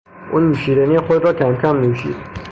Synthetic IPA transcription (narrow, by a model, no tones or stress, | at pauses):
ʔuːnmuʃiːd̪ænijexod̪ɾɒːcʰæmcʰæmːiːuʃḭːd̪̥